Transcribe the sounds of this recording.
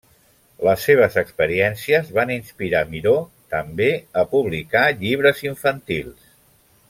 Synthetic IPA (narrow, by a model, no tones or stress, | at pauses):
ləsːeβ̞əzəkspəɾiɛnsiəzβaninspiɾamiɾot̪əmbeəpuβlikaʎiβ̞ɾəziɱfənt̪ilˠs